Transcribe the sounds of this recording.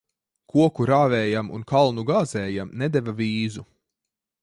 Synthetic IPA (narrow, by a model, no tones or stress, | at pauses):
kʰuɔkuɾaːvɛːjamṵnkalˠnuɡaːzɛːjamnɛd̪ɛvavʲiːzu